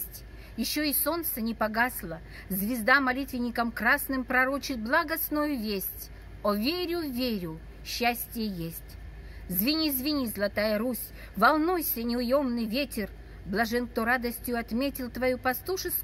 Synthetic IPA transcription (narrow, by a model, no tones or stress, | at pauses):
sʲtʲ | jɪɕːoiso̞nt̪sənʲɪpɐɡaslˠə | zvʲɪzd̪amɐlʲit̪vʲɪnʲɪkəmkɾasnɨmpɾɐɾot͡ɕɪt̪̚blˠaɡɐsnojʊvʲesʲtʲ | ovʲeɾʲʊvʲeɾʲʊ | ɕːasʲtʲɪjəjesʲtʲ | zvʲɪnʲizvʲɪnʲizlˠɐt̪ajəɾusʲ | vɐlˠnujsʲənʲɪʊjomnɨjvʲetʲɪr | blˠɐʐɛnk̚t̪oɾad̪əsʲtʲjʊɐt̪mʲetʲɪlˠt̪vɐjupɐst̪uʂɨs